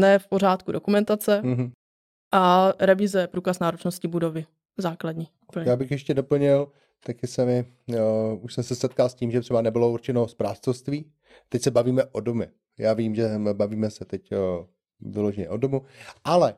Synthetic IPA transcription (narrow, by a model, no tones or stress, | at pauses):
nɛːfpo̞ɾ̝aːt̪kudokumɛnt̪at͡sɛɦ | ʔaɾɛvɪzɛjɛpɾuːkasnaːɾot͡ʃnoscɪbudovɪ | zaːkladɲiːupl̩ɲjaːbɪxjɛʃcɛdopl̩ɲɪl | t̪akɪsɛmɪ | uʃsɛmsɛsɛt̪kalsciːmʒɛt̪r̥ɛbanɛbɪlouɾt͡ʃɛnospɾaːst͡sofst̪viː | t̪ɛcsɛbaviːmɛʔodomjɛ | jaːviːmʒɛbaviːmɛsɛt̪ɛc | vɪloʒɛɲɛ̰ʔodomuʔalɛ